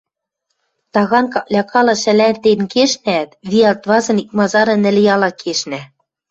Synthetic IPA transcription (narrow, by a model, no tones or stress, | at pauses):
t̪ɑɣɑnkɑʔlʲɑkʰɑlɑ̆ʃæ̆lænt̪enkeʃnæt̪βiɑlt̪βɑzɤ̆nik̚mɑzɑɾɤ̆nɘ̆lʲjɑlɑkʰeʃnæ